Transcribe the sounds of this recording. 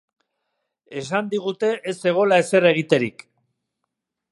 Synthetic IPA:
e̞sand̪iɣ̞ut̪e̞ʔese̞ɣ̞o̞lae̞se̞re̞ɣ̞it̪e̞ɾik

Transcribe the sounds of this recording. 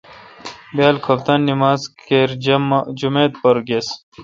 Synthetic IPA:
bjaːlkʰɐpt̪ɐnːimaːzkeɾmd͡ʑumeːt̪̚pɐɾɡes

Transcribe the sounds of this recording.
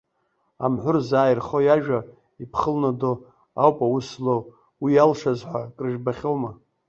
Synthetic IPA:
amħʷʊrzaːjrχojaʒᶣa | ipʰχəlnado | a̰wpʼawuslo | wijalʂazħʷakʼrɨʒbaχʲo̞wma

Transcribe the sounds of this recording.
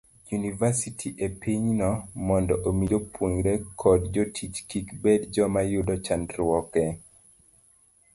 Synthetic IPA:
junivasitʰiʔepiɲnɔmɔndɔʔomid͡ʒopʰwoɲɾɛkʰɔdd͡ʒɔtʰit͡ʃkikbɛdd͡ʒɔmajudɔt͡ʃandɾwɔkɛ

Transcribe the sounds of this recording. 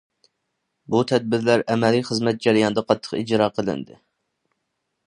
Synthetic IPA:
but̪ʰɛd̪̚bɪɾlæɾɛmɛlijχəzmɛt̪̚d͡ʒɑɾijɑnd̪ɛqʰɑt̪ʰːə̥qid͡ʒɾɑːqʰəlˠɪ̰nd̪ɪ̰

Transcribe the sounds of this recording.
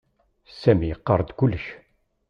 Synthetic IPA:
sæmiqːəɾˤd̪kʊlːəʃ

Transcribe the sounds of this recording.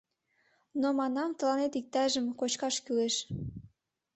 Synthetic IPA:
nomɑnɑmt̪ə̆lɑnet̪ik̚t̪ɑʒəmkot͡ɕkɑʃkyleʃ

